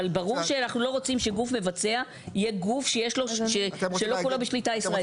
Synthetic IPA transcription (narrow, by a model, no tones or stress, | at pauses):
albaʁuʁʃeanaχnulo̞ʁo̞t͡simʃeɡufme̞vat͡se̞a | ijeɡufʃejeʃlo̞ʃeʃelo̞kulobeʃlitaisʁae